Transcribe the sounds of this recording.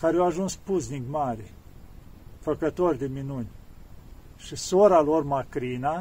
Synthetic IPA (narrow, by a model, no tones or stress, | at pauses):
kaɾeawaʒunspuznikmaɾʲe | fəkət̪orʲd̪eminunʲ | ʃisoɾalormakɾina